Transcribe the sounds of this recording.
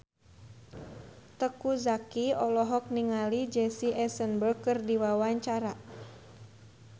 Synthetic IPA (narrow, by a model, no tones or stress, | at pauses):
t̪əkuzakiɔlɔɦɔk̚niŋalid͡ʒɛsiʔɛsənbərkɨrdiwawaɲt͡ʃaɾa